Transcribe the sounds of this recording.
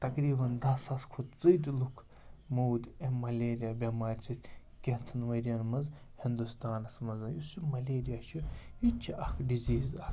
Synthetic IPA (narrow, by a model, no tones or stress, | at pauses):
t̪ɐkɾiːbɐnd̪ɐsɐskʰut͡sɨd̪ʲlukʰ | moːwd̪ʲemɐlʲeːɾijabʲɐmaːɾʲt͡sʰit̪ʲ | kʲet͡sʰɨnʋɐɾijɐnmɐz | hind̪ust̪aːnɐsmɐzɐnjusumɐleːɾijat͡ʃʰujit͡ʃʰiʔɐkʰɖiziːzɐk